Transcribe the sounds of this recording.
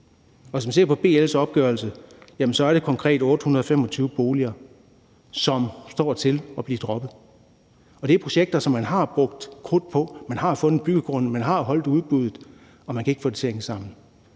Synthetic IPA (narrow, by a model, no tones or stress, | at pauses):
ɒʋe̝s̬mænse̝ɐpʰɒ̽b̥e̝̰ːelsɒ̽b̥̚ɡ̥ɶɐlsəjæmn̩sɒ̽æɐɾ̥e̝kʰɒ̽ŋkʰʁɛ̰ːd̥ɔ̽ːd̥əhunɐð̞̩ˠɒfem̰ɒ̽t͡sʰyːʊəb̥o̝ːliɐ | sɒ̽msd̥ɒ̰ːt͡sʰe̝lɒ̽b̥liːd̥ʁɒ̽b̥ð̩ˠ | ɒ̽d̥e̝æɐpʰʁo̝ɕeɡ̥̚d̥ɐsɒ̽mːænɦɑ̈b̥ʁɔ̽ɡ̥̚d̥kʰʁoð̥ˠpʰɒ̽mænɦɑ̈fɔ̽nð̩ˠb̥yɡ̥əɡ̥ʁɔ̽nəmænɦɑ̈ɦɒ̽l̰d̥uð̞ˠb̥uðˠð̩ˠ | ɒ̽mænkʰæeɡ̥fɔ̰ːd̥et͡sʰe̝ɐeŋsɑ̈m̰n̩